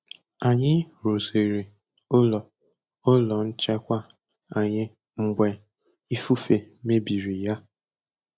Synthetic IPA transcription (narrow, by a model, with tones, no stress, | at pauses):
a˨ɲɪ˦ɾo˨ze˨ɾi˨ | o˦lɔ˨ | o˦lɔ˨n̩˦t͡ʃɛ˦kʷa˦ | a˨ɲɪ˦ | ŋ͡m̩˦ɡ͡bʷe˦ | i˦fu˦fe˨me˦bi˨ɾi˨ja˦